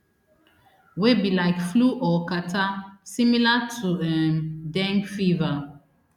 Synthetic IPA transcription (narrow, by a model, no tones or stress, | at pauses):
webilaɪkfluʔɔkatasimilatʰuɛmdɛ̃ŋkfiva